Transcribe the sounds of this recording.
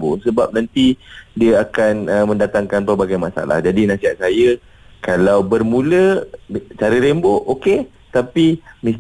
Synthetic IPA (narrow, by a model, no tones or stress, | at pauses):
bosəbap̚nãnt̪idiəakanəmə̃ndat̪aŋkanpərbaɡajmasa̰la̰hd͡ʒadinãsiɦat̪̚sajə | kalawbərmũlə | t͡ʃaɾəɾemboʔoke | t̪apimĩs